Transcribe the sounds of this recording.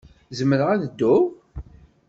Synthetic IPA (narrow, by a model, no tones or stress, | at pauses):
zəmːəɾəʁæðəd̪ːʊ